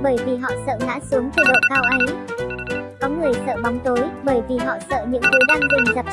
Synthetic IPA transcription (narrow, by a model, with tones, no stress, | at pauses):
ɓəː˧˩jvi˨˩ɦɔ̰˧˨sə̰ː˧˨ɗa̰ː˧˥su˨˦əŋt̪əː˨˧˩ɗo̰˧˨kaː˧wʔə˨˦j | kɔ˨˦ŋɨ˨˩əjsə̰ː˧˨ɓa˨˦wŋ͡mt̪o˨˦jɓəː˧˩jvi˨˩ɦɔ̰˧˨sə̰ː˧˨ɲɨ̰˧˥ŋt̪ɨ˨˦jɗaː˧ŋzɨ˨˩ŋzə˨˩p̚